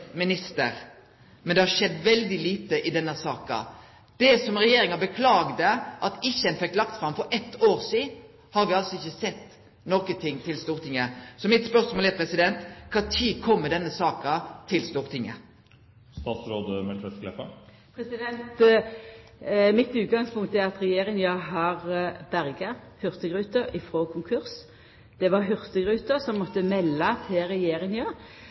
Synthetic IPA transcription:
mɪnɪst̪əɾ | mɛnd̪ɛhɑɾʃɛd̪ːʋɛld̪ɪliːt̪əʔɪd̪ɛnːəsɑːkɑ̰ | d̪̥ɛsɔmɾɛjeːɾɪŋɑbəkʰlɑːɡd̪əʔɑt̪ɪçɛnfɛkːlɑkt̪fɾɑmfɔɾɛt̪ʰːoːɾsiːd̪ | hɑɾʋɪɑlsɔɪçːəsɛt̪ː | nɔkət̪ʰɪŋːt̪ʰɪlst̪uːɾt̪ʰɪŋːəsɔmɪt̪spœɾsmoːlɛpʰɾɛsɪd̪ɛnt̪kʰɑːt̪ʰiːkʰɔmːəd̪ɛnːəsɑːkɑt̪ʰɪlst̪uːʁt̪ʰɪŋːə | st̪ɑːt̪sɾoːd̪əmɛlkʰɾɛt̪ɡlɛ̰fɑ̰ | pʰɾɛsɪd̪ɛnt̪ | mɪt̪ʉːt̪̚ɡɑŋspʊŋk̚t̪ɛɑt̪ʁɛjeːɾɪŋɑɦɑʁbæʁɡəhʏʁt̪əɡʁʉːt̪əɾɪfʁoːkʰʊŋkʰʉʁs | d̪̥ɛʋɑɦʏʁt̪əɡʁʉːt̪əʁsɔmːɔt̪ːəmɛlːɑt̪ʰɛʁɛjeːɾɪŋɑ

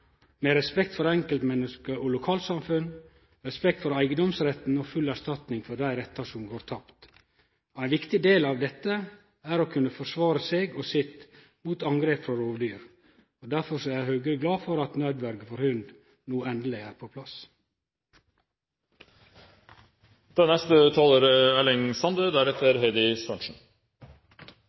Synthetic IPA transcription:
meːɾɛspɛkt̪fɔɾɛŋkəlt̪mɛnːəskəʔɔlʊkʰɑːlt̪sɑmfʉn | ɾɛspɛk̚t̪fɔɾæɪɡəd̪ɔmsɾɛt̪n̩ɔfʉlæɾʂt̪ɑt̪nɪŋfɔɖ̪æɪɾɛt̪ːɑʂɔmɡoːɾt̪ʰɑpt̪ | æɪnʋɪkt̪ɪd̪eːlɑːʋd̪ɛt̪ːə | æːɾoːkʰʉnːəfɔʂʋɑːɾəseːɡɔsɪt̪ | muːt̪ɑŋɡɾeːpfɾɑɾoːʋd̪yːɾ | ɔd̪æɾfɔɾsɔæɪhøːɡəɾəɡlɑːfɔɾɑt̪nœːd̪ʋæɾɡfɔɾhʉnd̪ | nuːɛnd̪lɪæːɾpʰopʰlɑs | d̪̥ɛnnːɛst̪ət̪ʰɑːləɾælɪŋsɑnd̪əd̪æɾɛt̪əɾɦɛɪd̪ɪsʋœnʃn̩

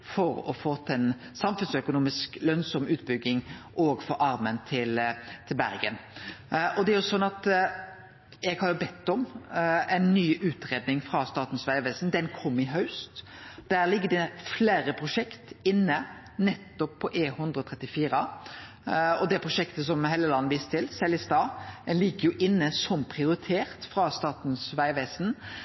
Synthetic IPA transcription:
fɔɾɔfoːt̪ʰɛn | sɑmfʉnsœkʊnuːmɪsklœnsɔmʉːt̪̚bʏɡːɪŋʔoːɡfɔɾʔɑɾmənt̪ʰɪlt̪ʰɪlbæɾɡən | ʔɔd̪ɛæɾjʊsɔnːɑt̪ | ɛɡhɑɾjʊbɛt̪ːɔmɛɪnːyːʔʉːt̪ɾeːd̪nɪŋfɾɑst̪ɑːt̪n̩sʋæɪʋɛsn̩d̪ɛnkʰɔmːɪɦɑʉst̪d̪̥æːʁlɪɡːəd̪ɛfleːɾəpʰʁʊʂɛkt̪ɪnːə | nɛt̪ːɔpʰːɔʔeːhʉnd̪ɾəɔt̪ʰʁɛt̪ːɪfiːɾə | ɔd̪ɛpʰʁʊʂɛkt̪əs̬ɔmheːləlɑnːəʋiːst̪t̪ʰɪlsɛlːɪst̪ɑːd̪̥ɛnlɪɡːəjʊʔɪnːəsɔmpʰʁɪʊɾɪt̪ʰeːʁt̪fʁɑst̪ɑːt̪n̩sʋæɪʋeːsn̩

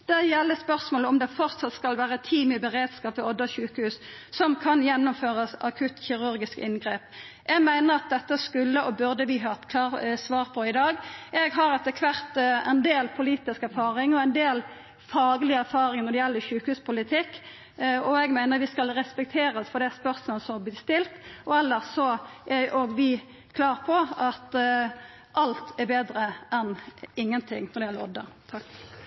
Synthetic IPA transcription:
d̪̥æjɛlːəspœʁsmoːləɔmd̪ɛfɔʁt̪sɑt̪skɑlʋæːɾət̪ʰiːmɪbəʁeːd̪skɑːpɪɔd̪əçʉːkəhʉːs | sɔmkʰɑnjɛnːʊmføːʁəsɑkʰʉt̪çɪʁʉɾɡɪskɪnɡʁeːp | ʔɛɡmæɪnəɾɑt̪̚d̪ɛt̪ːəskʉlːəɔbʉʁd̪əʋɪɦɑːt̪kʰlɑːsʋɑːʁpʰɔɪd̪ɑːɡɛɡɦɑɾɛt̪əkʰʋæʁt̪ɛnd̪eːlpʰʊliːt̪ɪskæɾfɑːʁɪŋɔæɪnd̪eːl | fɑːɡlɪəæɾfɑːɾɪŋnɔɾɖ̪ɛjɛlːəʃʉːkhʉːspʰʊlɪt̪ʰɪkː | ɔɛɡmæɪnəɾʋɪskɑlɾɛspɛk̚t̪ʰeːɾəsfɔɾd̪ɛæspœɾsmɔːləsɔmblɪːst̪ɪlt̪ɔɛlːəsɔʔɛʔoːɡʋɪ | kʰlɑːɾpʰɔɑt̪ | ʔɑlt̪ʰɛɾbeːd̪ɾəʔɛnɪŋːənt̪ʰɪŋːnɔɾɖɛjɛləɔd̪ə̰t̪ʰɑk

